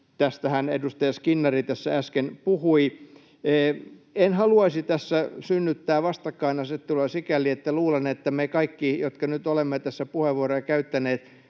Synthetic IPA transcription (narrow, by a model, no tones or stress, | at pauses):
t̪æst̪æhænḛdust̪ɑjɑskinːɑrit̪æsːææskenpuhui | eːenhɑluɑisit̪æsːæsynːyt̪ːæːʋɑst̪ɑkːɑinɑsett̪ːulesikæliet̪ːæluːlenet̪ːæmekɑikːijot̪kɑnyt̪olemːet̪æsːæpuheʋʋuorekæyt̪ːæneːt̪